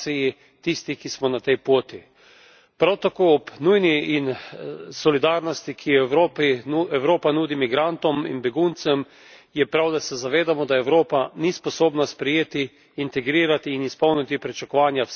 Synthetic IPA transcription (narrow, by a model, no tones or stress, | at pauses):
iji | t̪ist̪ikismɔnat̪ɛjpoːt̪i | pɾawt̪akoːɔpnujniːnsɔlid̪aːɾnɔst̪ikʰijɛopiɛwɾoːpanuːd̪imiɡɾant̪ɔmḭnbɛɡunt̪sɛm | jɛpɾawd̪asɛzaʋeːd̪amɔd̪aɛwɾoːpanispɔsoːbnaspɾɛjeːt̪iː | nt̪ɛɡɾiːɾat̪iːnispɔwnit̪ipɾit͡ʃakɔʋaːnja